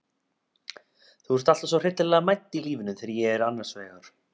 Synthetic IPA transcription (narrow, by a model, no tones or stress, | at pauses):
θuɛɾst̪al̥t̪ḁsvɔr̥ɪt̪lɪlɛːɣamajt̪ːiliːvɪnʏθɛːɾjɛɛɾanːaɾ̥svɛːɣaɾ̥